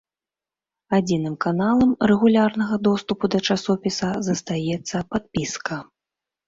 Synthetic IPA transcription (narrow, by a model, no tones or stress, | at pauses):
ad͡zʲinɨmkanalˠɐmrɛɣulʲarnɐɣɐd̪ɔst̪upud̪ɐt͡ʂasɔpʲisɐzɐst̪ajɛt̪sːɐpat̪̚pʲiskɐ